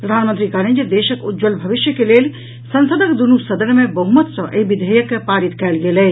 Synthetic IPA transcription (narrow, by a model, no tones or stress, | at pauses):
pɾəd̪ʱaːnmənt̪ɾikaɾĩnd͡ʒəd̪eːʃəkud͡ʒəlbʱɐʋiʃjəkelel | sə̃nsəd̪əkd̪unusəd̪əɾmẽbɐɦumət̪sɐ̃ʔebid̪ʱəjəkːpaːɾit̪kɛːlɡeːlɛː